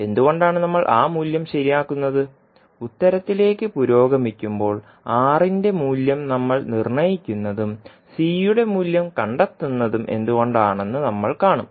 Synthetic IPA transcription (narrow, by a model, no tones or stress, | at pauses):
e̞nd̪uɣo̞ɳɖaːɳɨnɐmːɐɭʔaːmuːljɐmɕɐɾijaːkːunːɐðɨ | ut̪ːɐɾɐt̪ːile̞ːkːɨpuɾo̞ːɡɐmikʲːumbo̞ːɭ | aːrinde̞muːljɐmnɐmːɐɭnirɳɐjikʲːunːɐðum | siːjuɽe̞muːljɐmkɐɳɖɐt̪ːunːɐðumʔe̞̰nd̪uɣo̞ɳɖaːɳe̞nːɨnɐmːɐɭkaːɳum